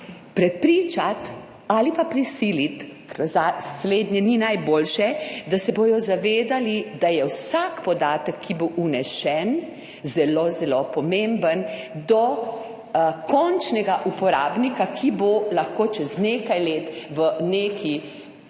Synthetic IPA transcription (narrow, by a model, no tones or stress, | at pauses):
pɾɛpɾiːt͡ʃat̪ | alipapɾisiːlit̪ | zasleːd̪nʲɛninajboːlʃɛd̪asɛbojɔzaʋeːd̪alid̪ajɛwsakpɔd̪aːt̪əkʰːiboʔunɛʃɛn | zɛlozɛlopɔmembənd̪ɔ | kʰɔnt͡ʃnɛɡaʔupɔɾaːbnikakʰibolaxkoːt͡ʃɛzneːkajleːt̪ʋəneːkʰi